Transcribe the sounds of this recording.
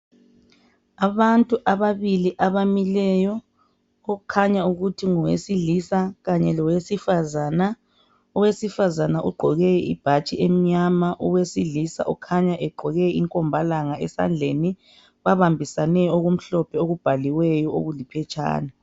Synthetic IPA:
aβantʼuʔaβaβiliʔaβamilɛjɔ | ɔukʰaɲauɣutʰiŋɔwḛsiɮisaɣaɲɛlɔwesifazaːna | ɔwesifazanaʔṵɡ͡ǃʱɔɣɛib̥ʱat͡ʃʼiem̩ɲamaʔɔwesiɮisa̰ʔɔ̰kʰaɲaʔɛɡ͡ǃʱɔɣɛiŋkʼɔmbʱalaŋaɛ̰sa̰nd͡ɮʱeni | βaβambʱisanɛoɣum̩ɬɔpʰɛoɣub̥ʱaliwɛjɔo̰ɣulipʰɛt͡ʃʼa̰ːna

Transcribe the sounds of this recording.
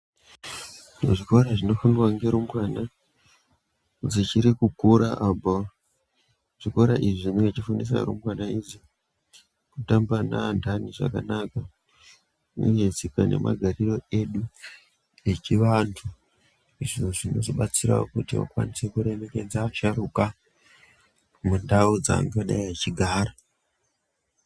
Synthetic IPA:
noʐiko̞ɾaʐino̞funirwaŋɡe̞ɾumɡwana | d͡zit͡ʃiɾikukuɾaʔabo | ʐ̥iko̞ɾaʔiʐiʐineŋɡat͡ʃifunis̬a̰ɾṵmɡwanaizi | kutambanandʱaniʐa̰kanaka | neɲesikane̞̰ma̰ɡʱariro̞e̞ɗu | e̞t͡ʃiʋantʰu | iʐioʐino̞zoɓat͡siɾa̰o̰kutiwa̰kwa̰nise̞kuɾe̞me̞ke̞d͡zaːʃaɾuka | mundaud͡za̰ŋɡaɗaiat͡ʃiɡʱaːɾa

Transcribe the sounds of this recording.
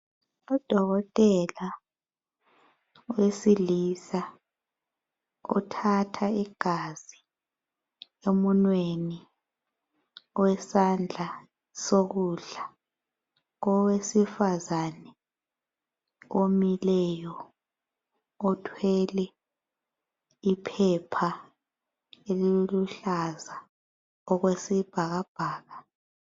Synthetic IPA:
ud̥ʱɔɣɔtʼɛla | wesilisa | ṵtʰatʰaiɡ̥ʱaz̥i | emunweni | wɛsand͡ɮʱa | soɣuɮa | ɔwesifazanɛ | omilɛjɔ | ɔtʰwɛlɛ | ipʰɛpʰa | eliluɬaza | ɔɣwesib̥ʱaɣab̥ʱaːɣa

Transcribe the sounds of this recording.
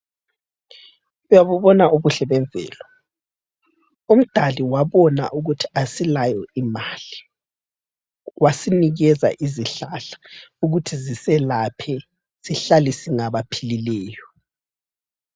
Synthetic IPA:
ujaβuβɔnaoβuɬɛβɛnd͡zʱɛ̰ːlɔ | um̩d̥ʱaliwaβɔna̰ʔuɣutʰi̥asilajɔimaːli | wasiniɣɛza̰ʔiziɬaɬḁuɣutʰizisɛlapʰɛ | siɬalisiŋaβapʰililɛːjɔ

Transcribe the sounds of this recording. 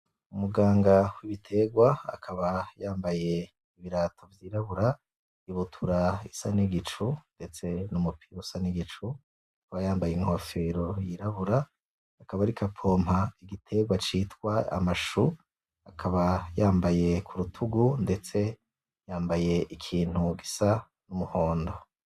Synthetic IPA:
umuɡaːŋɡawiβitʰe̞ɡwaa̰kʰaβajaːmbaje̞ | iβiɾaːtʰo̞vjiːɾaβuɾa | iβutʰuɾaisaniɡit͡ʃunde̞t͡se̞numupʰiɾusaniɡit͡ʃu | akaβajaːmbajeŋhofeɾojiɾaβuɾaː | kaβaɾikʰapʰo̞ːmhaiɡitʰe̞ɡwat͡ʃitkwaa̰maʃu | akʰaβajaːmbaje̞kʰuɾutʰuɡunde̞t͡se̞ | jaːmbaje̞ʔikʰiːn̥huɡisa | numuhoːndo

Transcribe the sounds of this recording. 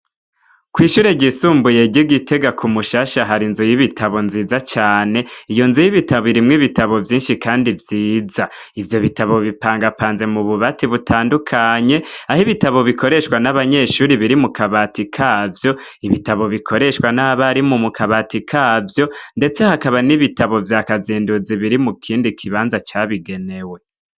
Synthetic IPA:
kwiːʃuːɾeɟisuːmbuje̞ɟiɡite̞ɡakʰumuʃaːʃaɦaɾinzujiβitʰaβo̞nziːzat͡ʃaːne̞ijo̞nzujiβitaβiɾimŋiβitaβo̞vjiːnʃikʰaːndivjiːza | ivjo̞βitaβo̞βipaːŋɡapaːnze̞muβuβatiβutʰaːndukʰaɲe̞ahiβitaβo̞βiko̞ɾe̞ʃwanaβaɲe̞ːʃuːɾiβiɾimukaβatikʰaːvjo̞ | iβitaβo̞βikʰo̞ɾe̞ʃwanaβaɾimumukʰaβaːtikʰaːvjo̞nde̞t͡se̞hakaβaniβitaβo̞vjakaziːnduziβiɾimukʰiːndikʰiβaːnzat͡ʃaːβiɡe̞ne̞we̞

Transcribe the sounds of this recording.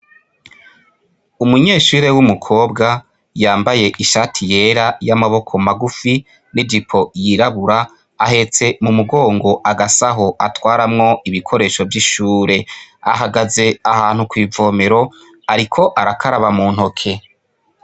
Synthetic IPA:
umuɲe̞ːʃuːɾe̞wumukʰo̞ːbɡa | jaːmbaje̞ʔiʃatʰije̞ːɾajamaβo̞kʰo̞maɡufi | nidipʰo̞jiɾaβuɾaː | ɦe̞t͡se̞mumuɡo̞ːŋɡo̞ʔaɡasaɦo̞ʔatwaːɾamŋo̞ʔiβikʰo̞ɾe̞ːʃo̞vjiʃuːɾe̞a̰ɦaɡaze̞ahaːn̥hukwiːvo̞ːme̞ɾo̞ | aɾikʰo̞ʔaɾakʰaɾaβamuːn̥hokʰe̞

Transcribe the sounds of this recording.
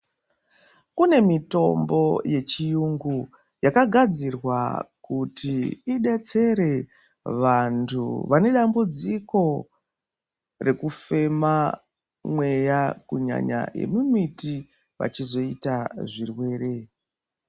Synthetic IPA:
kune̞mito̞mbo̞je̞t͡ʃijuŋɡu | jakaɡʱad͡zirwakutiiɗe̞t͡se̞ɾe̞ | ʋantʰṵʋane̞ɗambud͡ziko̞ | re̞kufe̞ma | mwe̞jakuɲa̰ɲa̰je̞̰mumiti | ʋa̰t͡ʃizo̞itaʐirwe̞ːre̞

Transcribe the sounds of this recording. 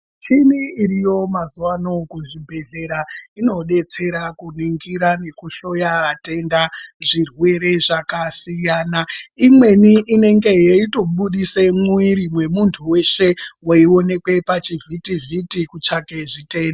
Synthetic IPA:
t͡ʃiniːrijo̞mazuwanokuʐibʱe̞ɮe̞ɾaino̞ɗe̞t͡se̞ɾakuniŋɡiɾane̞kuʃo̞jaate̞ndaʐirwe̞ɾe̞ʐakasijaːnaimwe̞niʔːne̞ŋɡe̞jeito̞ɓuɗisemwiɾimwe̞muntʰuwe̞ʃe̞woio̞ne̞kwe̞pat͡ʃivʱitivʱitikut͡ʃake̞ʐite̞ːnda

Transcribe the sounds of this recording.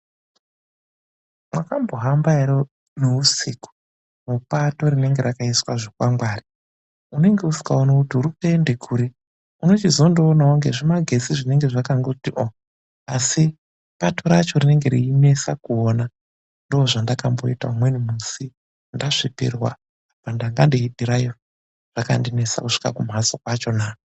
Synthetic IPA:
mwakambo̞ɦambaeɾo | nuusiːko̥ | mupato̞rine̞ŋɡe̞ɾakaiswaʐokwamɡwaːri | une̞ŋɡe̞usi̥kaonakutuɾukaende̞kʰuːɾe | uno̞t͡ʃizo̞ndoːnaoŋɡe̞̰ʐimaɡʱe̞siʐine̞ŋɡe̞ʐakaŋɡotiʔo | asi | patoɾat͡ʃo̞rine̞ŋɡeɾiːne̞sakuona | ndoːʐandakambo̞̰ita̰umwe̞nimusi | ndaʂipḭrwa̰ | apandaŋɡandiiɗiɾajo | r̥aka̰ndine̞sa̰kuʂi̥ka̰kum̤asokwat͡ʃo̞naːo

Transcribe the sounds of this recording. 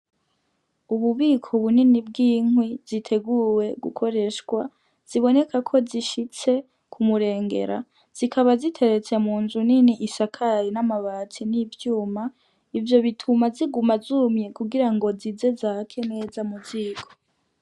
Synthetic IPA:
uβuβiːkʰo̞βuninib̚ɡiːŋwizitʰe̞ɡuwe̞ɡṵkʰo̞ɾe̞ʃkwa̰ | z̥iβo̞ne̞kʰakʰo̞ziʃit͡se̞ | kʰumuɾe̞ːŋɡe̞̰ɾa̰ | z̥ikʰaβazitʰe̞ɾe̞t͡se̞muːnzuniniʔisakʰaɾinamaβaːt͡sinivjuːma | ivjo̞βitʰumaziɡumazumɲe̞kuɡiɾaŋɡo̞zize̞zakʰe̞ne̞ːzamuziːkʰo̞̥

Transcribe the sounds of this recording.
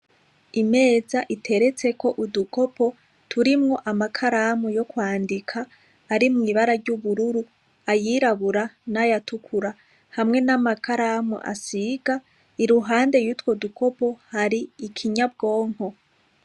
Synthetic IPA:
ime̞ːzaʔitʰe̞ɾe̞t͡se̞ko̞ʔuduko̞po̞ | tʰuɾimŋo̞ʔamakʰaɾamujo̞kwaːndikʰaː | ɾimŋiβaɾaɾɟuβuɾuɾu | ajiɾaβuɾanajatukʰuɾa | hamŋe̞namakʰaɾamṵʔa̰siɡ̥a | iɾuɦaːnde̞jutwo̞dukʰo̞po̞haɾiːkʰiɲab̚ɡo̞ːŋ̥ho̞

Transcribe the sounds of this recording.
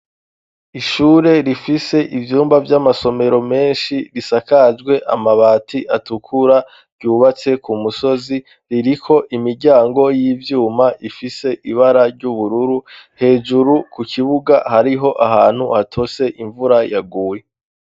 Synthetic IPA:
iʃuːɾe̞ɾifise̞ʔivjuːmbavjamaso̞me̞ɾo̞me̞ːnʃiɾisakad͡ʒɡwe̞ʔa̰maβaːtʰiʔatukʰuɾa | ɟuːβat͡se̞kumuso̞zi | ɾiɾikʰo̞ʔimiɾɟaːŋɡo̞jivjuːmaʔifise̞ʔiβaɾaɾɟuβuɾuɾuhe̞ːʒuɾukukʰiβuɡahaɾiɦo̞ʔaɦaːn̥huhatʰo̞se̞ʔiɱvuɾajaɡuːje

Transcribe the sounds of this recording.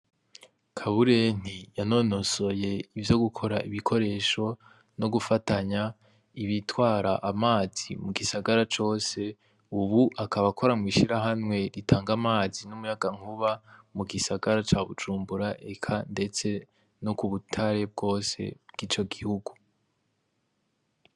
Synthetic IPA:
kʰaβuɾen̥ijano̞no̞so̞je̞ivjo̞ɡukʰo̞ɾaʔiβikʰo̞ɾe̞ːʃo̞ | no̞ɡufataɲa | iβitwaːɾaʔamaːz̥ḭmuɡisaɡaɾat͡ʃo̞ːse̞ | uβuʔakaβakʰo̞ɾamwiːʃiɾaɦamwe̞ɾitʰaːŋɡamaːzinumujaɡaŋ̥uβamuɡisaɡaɾat͡ʃaβud͡ʒuːmbuɾaʔe̞kʰande̞t͡se̞ | nokuβutʰaɾe̞b̚ɡo̞ːse̞̰bɡiːt͡ʃo̞ɡihuɡu

